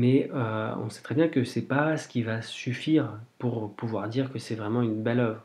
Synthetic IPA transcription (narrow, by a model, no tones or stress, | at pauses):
mɛøɔ̰̃sɛ̥t̪χɛbjɛ̃kəsɛpasə̥kʲivasyfiʁpuʁpuvwaʁd̪iʁkəsɛvʁɛmɑ̃ynbɛlœvʁ